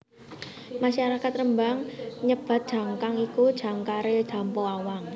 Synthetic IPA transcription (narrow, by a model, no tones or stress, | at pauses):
maʃaɾakat̪rəmbaŋɲəb̥a̤t̪̚d̥ʒ̥ä̤ŋkaŋikud̥ʒ̥a̤ŋkaɾed̥ʒ̥a̤mpoawaŋ